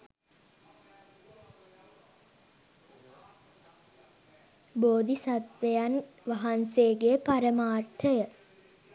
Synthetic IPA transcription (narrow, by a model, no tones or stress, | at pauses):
boːd̪isat̪ʋejan | ʋaɦanseːɡepaɾəmaːrt̪ʰəjə